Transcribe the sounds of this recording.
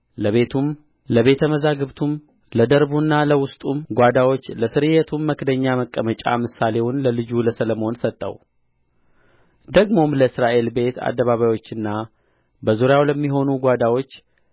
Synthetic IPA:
ləβe̞t̪ʰum | ləβe̞t̪ʰəməzaɡɨβt̪ʰum | ləd̪əɾbunːaləwʊst̪ʼumɡʷad̪awo̞t͡ʃːləsɨɾɨjɛt̪ʰumːəkd̪əɲːaməkʼːəmət͡ʃʼa̰mɨsale̞wʊnləlɨd͡ʒuləsələmo̞nsət̪ʼːə̰w | d̪əɡmo̞mləɨsɾaʔe̞lbe̞t̪ʰa̰d̪ːəβaβajwo̞t͡ʃːɨnːa | bəzuɾjawləmːiɦo̞nuɡʷad̪awo̞t͡ʃː

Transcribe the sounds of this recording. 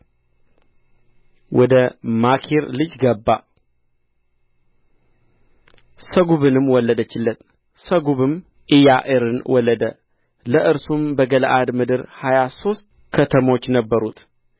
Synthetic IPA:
wʔɔd̪əmakʰeɾlɨd͡ʒɡəbːa | səɡuβɨnɨmːwɔlːəd̪ət͡ʃːɪlːət̪ | səɡuβɨm | ʔijaʔɨɾɨnwɔlːəd̪ə | ləʔɨɾsumbəɡələʔad̪mɨd̪ɨɾhajaso̞st̪ | kʰət̪ʰəmo̞t͡ʃːnəbːəɾut̪

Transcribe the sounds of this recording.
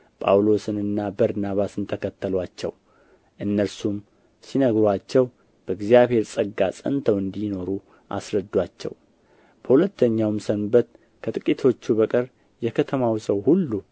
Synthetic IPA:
pʼa̰wlo̞sɨnɨnːabəɾnaβasɨnt̪ʰəkʰət̪ʰːəlwat͡ʃːɛ̰w | ʔɨnːəɾsum | sinəɡɾwat͡ʃːɛw | b̥əɨɡzijaβhe̞ɾsʼəɡːasʼə̰nt̪ʰəwɨnd̪ino̞ɾu | ʔa̰sɾəd̪ːwat͡ʃːɛ̰w | b̥əhulət̪ːəɲːawmsənbət̪ | kʰət̪ʼɨkʼit̪ʰo̞t͡ʃːubəkʼɨɾ | jɛkʰət̪ʰəmawsəwhulːu

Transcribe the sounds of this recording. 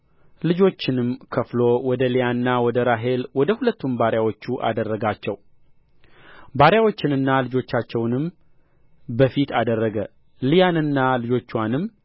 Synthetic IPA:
lɨd͡ʒo̞t͡ʃːɪnɨmkʰəflowɔd̪əlijanːawɔd̪əɾaɦe̞lwɔd̪əhulət̪ːunbaɾjawot͡ʃːuʔa̰d̪ərːəɡat͡ʃːɛw | baɾjawo̞t͡ʃːɪnɨnːalɨd͡ʒo̞t͡ʃːat͡ʃːɛwnɨm | bəfit̪ʰad̪ərːəɡə | lijanɨnːalɨd͡ʒo̞t͡ʃːwanɨmː

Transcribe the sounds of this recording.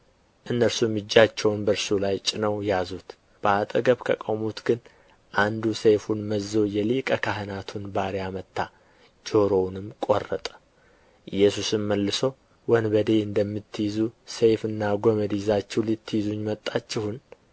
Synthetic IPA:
ʔɨnːəɾsumɨd͡ʒːat͡ʃːɛwnbəɾsulajt͡ʃʼɪnəwjazut̪ | b̥əat̪ʼəɡəβkʰəkʼomut̪ɡɨn | ʔand̪usejfunməzːo̞jɛlikʼəkʰaɦɨnat̪ʰunbaɾjamət̪ʰːa | d͡ʒo̞ɾo̞wnɨmkʼo̰rːət̪ʼə̥ | ʔɨjːɛsusɨmməlːɨso̞ | wɔnbəd̪e̞ɨnd̪əmːɨt̪ʰːɨjizusejfɨnːaɡoməd̪izat͡ʃːɛwlɨt̪ʰːɨjizuɲmət̪ʼːat͡ʃːɪhʊn

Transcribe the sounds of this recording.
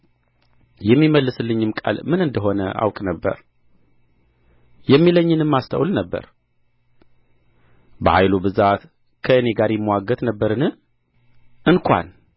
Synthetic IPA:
jɛmːiməlːɨsɨlːɨɲːɨmkʼa̰lmɨnɨnd̪əɦo̞nə̰ʔa̰wkʼnəbːə̰ɾ | jɛmːiləɲːɨnɨmːast̪ʰə̰wlnəbːə̰ɾ | bəhajlubɨzat̪ | kʰəɨne̞ɡaɾjɪmːəwaɡət̪nəbːəɾɨnɨ | ɨnkʷʰa̰n

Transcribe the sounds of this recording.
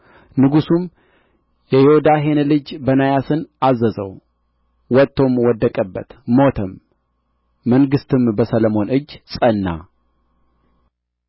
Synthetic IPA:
nɨɡusum | jɛjehud̪aɦe̞nlɨd͡ʒbənajasɨnazːəzə̰w | wɔt̪ːo̞mwɔd̪ːəkʼəbːə̰t̪mo̞t̪ʰəmː | əŋɡɨst̪ʰɨmbəsələmo̞nɨd͡ʒːsʼənːa̰

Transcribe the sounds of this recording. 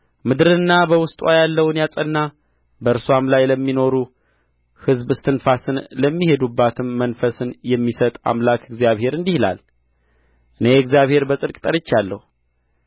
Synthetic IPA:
mɨd̪ɨɾɨnːabəwʊst̪ʼwajalːəwnjasʼənːa | bəɨɾsoamlajləmːino̞ɾu | hɨzbst̪ʰɨnfasɨnləmːihe̞d̪ubːat̪ʰɨmːənfəsɨnjɛmːisət̪ʼa̰mlakʰɨɡzijaβhe̞ɾɨnd̪ihla̰l | ʔɨnejɨɡzijaβhe̞ɾbəsʼɨlkʼt̪ʼəɾɨt͡ʃːalːəhu

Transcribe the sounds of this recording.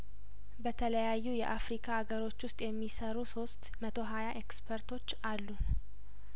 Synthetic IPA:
bət̪ʰələjajːujɛ̰ʔafɾikʰaːɡəɾo̞t͡ʃːwʊst̪ʼjɛmːisəɾuso̞st̪mət̪ʰo̞ɦajaʔekspʰəɾt̪ʰo̞t͡ʃːalːu

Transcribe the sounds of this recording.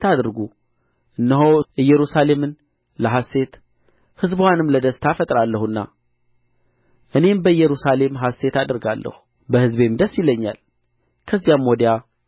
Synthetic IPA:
t̪ʰad̪ɨɾɡu | ʔɨnːəɦoʔɨjːɛɾusale̞mɨn | ləɦasːe̞t̪ | hɨzbwanɨmləd̪əst̪ʰafət̪ʼɾalːəhunːa̰ | ʔɨne̞mbəɨjːɛɾusale̞mɦasːe̞t̪ad̪əɾɡalːə̰hu̥ | bəhɨzbe̞md̪əsːjɪlːəɲːa̰l | kʰəzːijamːɔd̪ja

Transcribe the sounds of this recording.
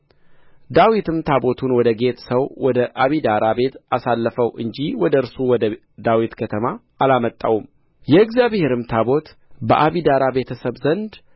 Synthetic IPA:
d̪awit̪ʰɨmt̪ʰabo̞t̪ʰunwɔd̪əɡe̞t̪səwwɔd̪əʔaβid̪aɾabe̞t̪ʔasalːəfəwʔɨɲd͡ʒiwɔd̪əɨɾsuwɔd̪ə | d̪awit̪kʰət̪ʰəmaː | lamət̪ʼːa̰wum | jɛɪɡzjaβhe̞ɾɨmt̪ʰabo̞t̪ | bəʔaβid̪aɾabe̞t̪ʰəsəβzənd̪

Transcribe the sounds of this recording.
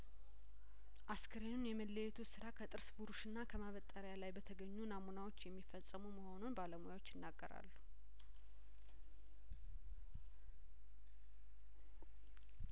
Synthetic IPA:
ʔaskʰəɾenunjɛməlːəjɛt̪ʰusɨɾakʰət̪ʼɨɾsbuɾuʃɨnːakʰəmaβət̪ʼəɾjalajbət̪ʰəɡəɲːunamunawot͡ʃːjɛmːifəsʼəmuməho̞nunbaləmojawot͡ʃːjɪnːaɡːəɾa̰lːu

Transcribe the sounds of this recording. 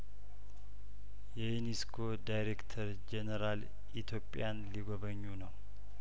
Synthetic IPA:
jɛjuniskʰo̞d̪ajɾekt̪ʰəɾ | d͡ʒenəɾal | ʔit̪ʰjopʼːjanliɡoβəɲːunəw

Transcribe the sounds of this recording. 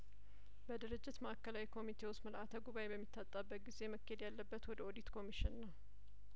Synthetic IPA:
bəd̪ɨɾɨd͡ʒːɪt̪məʔakʰːəlawikʰo̞mit̪ʰe̞wʊst̪məlʔat̪ʰəɡuβajebəmːit̪ʰːat̪ʼːabːək̪̚ɡize̞məkːhed̪jalːəbːət̪wɔd̪əod̪it̪kʰo̞miʃɪnːəw

